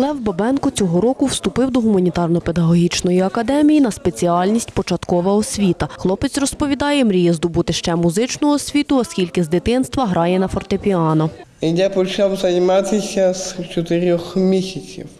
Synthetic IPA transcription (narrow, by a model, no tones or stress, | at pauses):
lˠɛwbɐbɛnkʊt͡sʲɔɦɔɾɔkʊwst̪ʊpɪwd̪ɔɦʊmɐnʲit̪ɑrnɔpe̞d̪ɐɦɔɦʲit͡ʃnɔjiɐkɐd̪ɛmʲijinɐspet͡sʲiɑlʲnʲisʲtʲpɔt͡ʃɐt̪kɔʋɐɔsʲʋʲit̪ɐxlˠɔpet͡sʲrɔspɔʋʲid̪ɑjɛmɾʲijɛzd̪ʊbut̪ɪʃt͡ʃɛmuzɪt͡ʃnʊɔsʲʋʲit̪ʊɐskʲilʲkɪzd̪ɪt̪ɪnst̪ʋɐɦɾɑjɛnɐfɔrt̪epʲiɑnɔ | ijapɔt͡ʃawzɐjmat̪ɪsʲɐzt͡ʃɔt̪ɪɾʲɔxmʲisʲɐt͡sʲḭw